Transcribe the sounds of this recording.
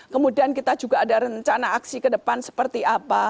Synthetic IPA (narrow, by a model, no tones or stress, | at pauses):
kəmudiankit̪ad͡ʒuɡaːdaɾəɲt͡ʃanaʔːksikədəpansə̥pərt̪iapa